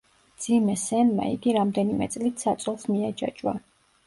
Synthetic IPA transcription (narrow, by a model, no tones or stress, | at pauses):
md̪z̥imɛsɛnma̰ḭɡiɾamd̪ɛnimɛ̰t̪sʼlit̪ʰsat̪sʼɛlˠsmiad͡ʒa̰t͡ʃʼwa̰